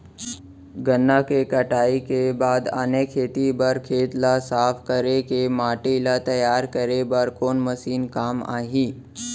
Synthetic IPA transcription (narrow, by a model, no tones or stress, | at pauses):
ɡənːakekəʈaːikebaːd̪a̰nekʰeːt̪ibəɾkʰeːt̪lasaːpʰkəɾekemaːʈelat̪ɐjaːɾkəɾebəɾkoːnməsiːnkaːma̰ːɦiː